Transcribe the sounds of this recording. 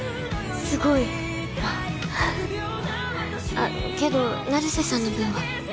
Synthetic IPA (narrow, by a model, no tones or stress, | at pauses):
sɨɡo̞i | βa | a | a | ke̞d̪o̞ | naɾisesãnːiɡʲĩβa